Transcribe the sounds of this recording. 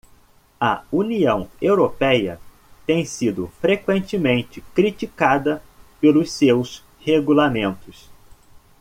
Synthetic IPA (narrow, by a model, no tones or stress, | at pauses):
ɐ̰uniɐ̃w̃ewɾopɛjɐ̰ | t̪ẽj̃sid̪ʊfɾekwẽnt͡ʃɪmẽnt͡ʃɪkɾit͡ʃikad̪ɐpelʊssews | heɡulamẽnt̪ʊs